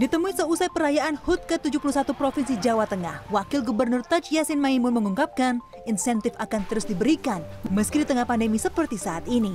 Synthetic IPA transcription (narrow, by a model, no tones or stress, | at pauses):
dit̪əmuisəusajpəɾajaʔanhʊt̪̚kət̪ud͡ʒuhpuluhs̬at̪upɾofinsid͡ʒawat̪əŋa̰hwakɪlɡubərnʊrt̪ad͡ʒjasɪnmaimʊnməŋuŋkap̚kan | insɛnt̪ɪfakant̪əɾʊsdibəɾikanməskidit̪əŋahpandəmisəpərt̪isaat̪ini